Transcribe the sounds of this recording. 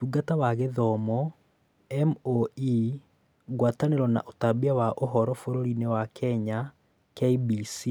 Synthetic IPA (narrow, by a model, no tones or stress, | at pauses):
uɡatawaɣeðɔmɔ | ɛmoi | ɣwataneɾɔna̰ʔotabiawaʔoɦɔɾɔfoɾoɾinewakɛɲa | kɛibisi